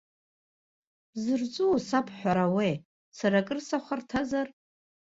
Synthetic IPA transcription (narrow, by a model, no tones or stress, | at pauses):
zɨrt͡sʷʼusapʰħʷᶣaɾawej | saɾakʼɨrsaχʷartʰazar